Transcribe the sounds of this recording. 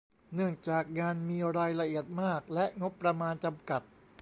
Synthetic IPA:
nɯ˥˩əŋt͡ɕaː˨˩k̚ŋaː˧nmiː˧ɾaː˧jla˧ʔi˨˩ət̪̚maː˥˩k̚lɛ˦˥ʔŋo˦˥pːɾa˧maː˧nt͡ɕa˧mka˨˩t̪̚

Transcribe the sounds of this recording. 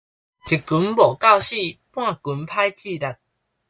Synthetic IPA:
t͡ɕʰi˨ku˨˦nbɔ˨˩ka˥˧˨wɕi˥˧pw̃ã˥˧˨ku˨˦npʰa˦jt͡ɕi˥˧˨ɾa˨˧˩t̚

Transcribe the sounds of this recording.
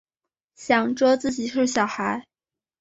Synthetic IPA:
ɕjɑ˨˩ŋʈ͡ʂwɔ˥t͡sɹ̩˥˩t͡ɕi˨˩ʂɻ̩˥˩ɕjɑ˨˩ʊxa˧˥ɪ

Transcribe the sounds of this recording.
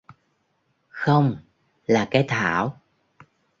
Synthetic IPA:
xə˧wŋ͡m | laː˨˩kaː˨˦jt̪ʰa̰ː˧˩˨w

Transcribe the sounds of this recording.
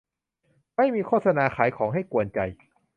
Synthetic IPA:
ma˥˩jmiː˧kʰoː˥˩sa˧naː˧xʰaː˩˦jkʰɔː˩˦ŋɦa˥˩jku˧ənt͡ɕa˧j

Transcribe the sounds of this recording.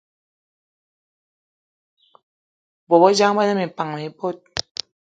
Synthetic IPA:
bo˨bɔ˦d͡ʒa˦ŋ˦ba˦na˦mi˨pa˨ŋ˨me˨bo˦t̚

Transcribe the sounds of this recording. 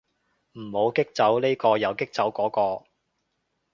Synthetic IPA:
m̩˨˩ho˨˧wkɪ˥k̚t͡sɐ˨˥wne˥kɔː˧jɐ˨˧wkɪ˥k̚t͡sɐ˨˥wkɔː˨˥kɔː˧

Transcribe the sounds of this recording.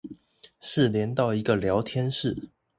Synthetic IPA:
ʂɻ̩˥˨ljɛ˧˦nt̪ɑ˥˨ʊi˧˥ɡə˨ljɑ˧˥ʊt̪ʰjɛ˦˥nʂɻ̩˥˨

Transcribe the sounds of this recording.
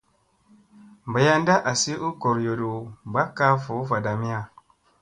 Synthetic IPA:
mba˨ja˦nda˦ʔa˨si˦u˦ko˨ɾjo˨du˨ba˦kːa˦fu˨˦fa˨da˨mi˦a˨

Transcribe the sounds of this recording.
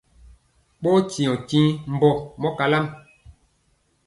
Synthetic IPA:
ɓo˦t͡ʃi˨ɔ̃˨kĩ˦m̩˦bɔ˦mɔ˦ka˨la˦m

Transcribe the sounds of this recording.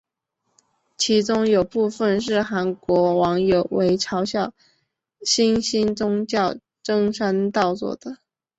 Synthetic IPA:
t͡ɕʰi˧˥ʈ͡ʂʊ˥ŋjo˨˩ʊpu˥˧fə˥˧nʂɻ̩˥˩xa˧˥nkwɔ˧˥wɑ˧˥ŋjo˨˩ʊwe˧˥ɪʈ͡ʂʰɑ˧˥ʊɕjɑ˥˩ʊ | ɕi˥nɕi˥nt͡sʊ˥ŋt͡ɕjɑ˥˩ʊ | ʈ͡ʂɤ˥ŋʂa˥nt̪ɑ˥˧ʊt͡swɔ̰˥˩d̪̥ə˩

